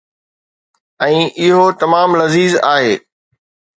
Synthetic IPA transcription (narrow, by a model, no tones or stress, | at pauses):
ɛ̃ːʔɪɦot̪ɐmaːmlɐziːzaːɦeː